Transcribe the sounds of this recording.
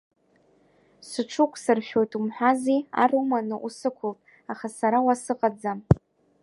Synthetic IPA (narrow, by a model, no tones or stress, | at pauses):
sɨʈ͡ʂʷʰʊkʷʰʼsɨrʃᶣo̞jtʼumħʷᶣazia̰rumanɨʔusɨkʷʰʊltʼ | aχasaɾawasɨqʼad͡zam